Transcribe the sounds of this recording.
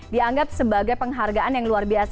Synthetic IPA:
diaŋɡap̚səbaɡajpəŋɦarɡaʔanjaŋluarbias

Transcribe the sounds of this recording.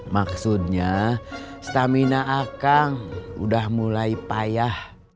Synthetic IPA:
maksut̪̚ɲa | st̪aminaʔːkaŋṵdahmulaipajah

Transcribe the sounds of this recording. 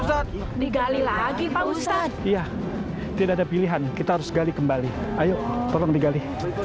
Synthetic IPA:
diɡalilaɡipausaija | t̪idaʔadapiliɦankit̪aɦaɾʊsɡalikəmbaliajoʔt̪ɔlɔŋdiɡali

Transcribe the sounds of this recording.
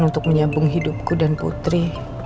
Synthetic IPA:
nunt̪ʊk̚məɲabʊŋɦidʊp̚kudanpṵt̪ɾi

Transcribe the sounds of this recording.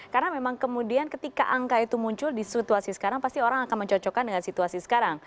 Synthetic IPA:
kaɾənamemaŋkəmudiankət̪ika̰ʔaŋkait̪umuɲt͡ʃʊldisit̪uasisə̥kaɾaŋpast̪ioɾaŋakanməɲt͡ʃɔt͡ʃɔkandəŋansit̪uasisə̥kaɾaŋ

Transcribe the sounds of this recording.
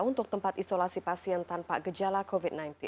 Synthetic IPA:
unt̪ʊk̚t̪əmpat̪isolasipasiɛnt̪anpa̰ɡəd͡ʒalakovit̪̚nãjnt̪i

